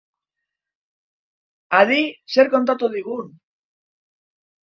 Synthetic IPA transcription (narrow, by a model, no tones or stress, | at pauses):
aðise̞ɾko̞nt̪at̪uðiɣ̞un